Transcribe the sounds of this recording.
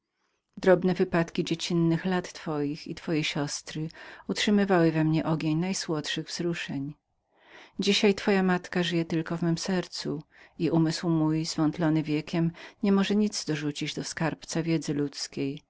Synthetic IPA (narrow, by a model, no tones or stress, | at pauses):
d̪ɾɔbnɛvɘpat̪kʲid͡ʑet͡ɕinːɘxlat̪ːfɔjixḭt̪fɔjɛɕɔst̪ɾɘutʂɘmɘvawɘvɛmɲɛʔɔɡʲeɲnajswɔt̪ʂɘɣvzɾuʂɛɲ | d͡ʑiɕajt̪fɔjamat̪kaʐɘjɛt̪ɘlkɔvmɘmsɛɾt̪suiʔumɘswmujz̥vɔnt̪lɔnɘvʲjɛkʲɛmɲɛmɔʐɛɲid̪zd̪ɔʐut͡ɕid͡ʑd̪ɔskaɾpt̪savʲjɛd̪zɘlut̪skʲej